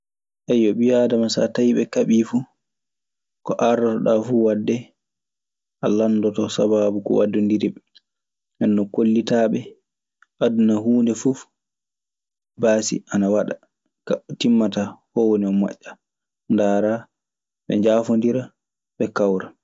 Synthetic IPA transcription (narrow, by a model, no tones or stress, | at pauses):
ʔajɔɓijadamasa̰tajiɓɛkaɓiːfu | kɔʔaɾdɔtɔɗafuwadːɛ | ʔalandɔtɔsababukɔ̰wadːundiɾibɛ | ʔɛnːɔkolːitaɓɛ | ʔadunahuːndɛfuf | baːsḭʔanawaɗa | katimːatahɔwoniɔma̰ʔːa | ndaːɾa | ɓɛ̰ɲd͡ʒafondiɾa | ɓɛkawɾa